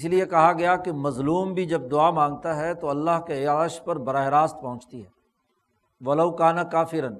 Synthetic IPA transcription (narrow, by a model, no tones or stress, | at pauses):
ɪsliekɐɦaɡɐjakemɐzluːmbʱid͡ʒɐb̚d̪ʊaːmãːŋɡ̚t̪aɦɛt̪oɐlːaɦkeaːʃpɐɾbɐɾaːɦɪɾaːst̪̚pɐɦʊ̃nt͡ʃt̪iɦɛː | ʋɐlɐʊkaːnakaːfɪɾən